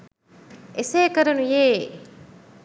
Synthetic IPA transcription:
eseːkɐɾɐnujeː

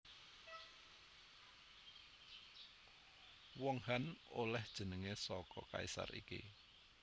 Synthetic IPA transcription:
wɔŋhanolɛhd̥ʒ̥ə̤nəŋesɔkɔkaisa̰rḭkḭ

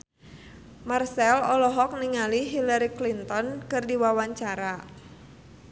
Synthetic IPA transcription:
marsɛlɔlɔɦɔk̚niŋaliɦilaɾiklint̪ɔnkɨrdiwawaɲt͡ʃaɾa

